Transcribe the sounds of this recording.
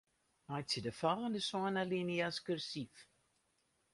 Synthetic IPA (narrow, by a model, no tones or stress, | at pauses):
majsidəfɔlˠəndəsɔənaliniaskørsif